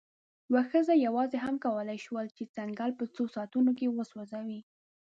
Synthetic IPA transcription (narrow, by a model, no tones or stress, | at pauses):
waxəzajawɑzeɦamkawəlajʃwəlt͡ʃet͡saŋɡɑlpət͡sosɑt̪unokewəswazawi